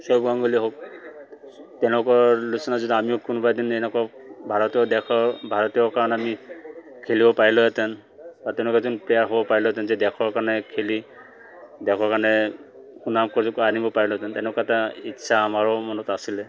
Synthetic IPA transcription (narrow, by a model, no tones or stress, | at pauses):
sɔbɡaŋɡuliɦok̚ | tɛ̃ʊ̃lʊkɔlusɔnazudiamiʊkunbajdinɛnɛkabʱaɹɔtiɔdɛkʰɔɹbʱaɹɔtijɔkaɹɔnamikʰelibɔpaɹilɔatɛn | batɛ̃w̃lʊkɛzɔnpɹijaɹɦobɔpaɹilɔɛt̬ɛnzɛdɛkʰɔɹkaɹnɛkʰeli | dɛkʰɔɹkaɹnɛ | xunamkɔɹzɔkɔanibɔpaɹilɔɛtɛntɛ̃nlʊkaɛtaitːsʰaːmaɹɔmɔnɔtasilɛ